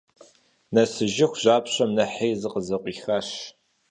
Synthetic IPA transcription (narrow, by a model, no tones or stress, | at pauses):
nɐsɨʒɪxʷʑaːpɕɐmnɐħejzɨqəzɐqʷʼiːxaɕ